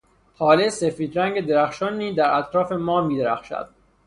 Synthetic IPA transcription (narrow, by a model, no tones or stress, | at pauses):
hɒːlesefiːd̪ɾæŋɡe̞d̪eɾæxʃɒːnːiːzd̪æɾæt̪ʰɾɒːfe̞mɒːmiːd̪eɾæxʃæ̰d̪̥̚